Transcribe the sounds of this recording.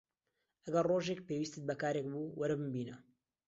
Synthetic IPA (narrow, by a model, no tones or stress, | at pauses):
ɐɡɐrroːʒeːk̚peːwiːst̪ɨt̪̚bɐkaːɾeːk̚buːwɐɾbɨmbiːnɐ